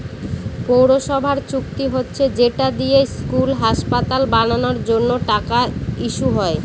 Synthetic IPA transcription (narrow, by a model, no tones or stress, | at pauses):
powɾoʃɔbʱaɾt͡ɕuk̚t̪iɦotːɕʰed͡ʑeʈad̪ijeskulɦaʃpat̪albananoɾd͡ʑonːoʈakaiʃuɦɔe